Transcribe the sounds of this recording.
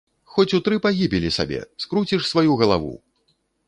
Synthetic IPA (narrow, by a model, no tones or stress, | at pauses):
xɔt͡sʲut̪ɾɨpaɣʲibʲilʲisa̰bʲɛ̰skɾut͡sʲiʂsvajuɣɐlˠa̰vṵ